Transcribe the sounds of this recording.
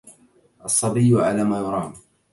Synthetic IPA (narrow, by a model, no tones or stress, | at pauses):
ʔɑsˤːɑbɪjːʊʕalaːmaːjʊɾˤɑːn